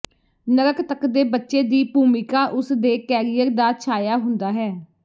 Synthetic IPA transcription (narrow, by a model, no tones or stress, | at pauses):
nəɾəkt̪əkd̪eːbətːʃeːd̪iːpuːmɪkaːʔʊsd̪eːkɛːɾɪjəɾd̪aːt͡ʃʰaːjaːɦʊnd̪aːɦɛː